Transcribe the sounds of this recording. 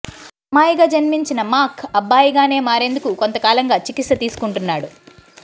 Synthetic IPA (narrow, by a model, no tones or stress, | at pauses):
ɐmaːjiɡaːd͡ʒɐnmiɲt͡ʃinɐmaːkʰɐbːaːjiɡaːne̞ːmaːɾe̞nd̪ukuko̞nt̪ɐkaːlɐŋɡaːt͡ʃikit̪sɐt̪iːsu̥kuɳʈunːaːɽu